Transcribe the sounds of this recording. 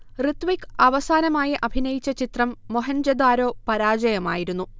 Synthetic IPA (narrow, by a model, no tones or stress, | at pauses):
rit̪ʋikːɐʋɐsaːnɐmaːjɐʔɐbʱinɐjit͡ɕːɐt͡ɕit̪rɐmːoɦɐnd͡ʑɐd̪aːɾo̞ːpɐɾaːd͡ʑɐjɐmaːjiɾun̪ːu